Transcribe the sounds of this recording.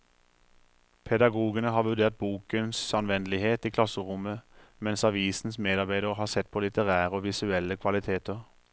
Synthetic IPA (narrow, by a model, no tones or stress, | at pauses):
pʰɛd̪ɑɡuːɡənəɦɑːʋʉd̪eːʁt̪̚buːkənsɑnʋɛnlɪheːt̪iːkʰlɑsəʁʊməmɛnsɑʋiːsn̩smeːd̪ɑʁbæɪd̪əʁəhɑːsɛt̪̚ːpʰoːlɪt̪əʁæːʁəoːʋɪsʉɛlːəkʰʋɑlɪt̪ʰeːt̪əʁ